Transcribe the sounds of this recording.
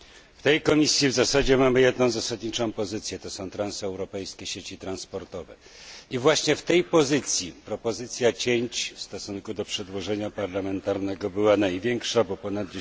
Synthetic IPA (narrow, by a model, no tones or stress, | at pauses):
ft̪ɛjkɔmʲisʲjivzasad͡ʑɛmamɘjɛd̪nɔ̃w̃zasad̪ɲit͡ʂɔ̃w̃pɔzɘt̪sʲjɛt̪ɔsɔ̃w̃t̪ɾansɛwɾɔpɛjskʲɛɕet͡ɕit̪ɾanspɔɾt̪ɔvɛ̰ | ivwaɕɲɛft̪ɛjpɔzɘt̪sʲjipɾɔpɔzɘt̪sʲjat͡ɕeɲt͡ɕfst̪ɔsuŋkud̪ɔpʂɛd̪wɔʐɛɲapaɾlamɛnt̪aɾnɛɡɔbɘwanajvʲjɛŋkʂabɔpɔnad̪̚d͡ʑ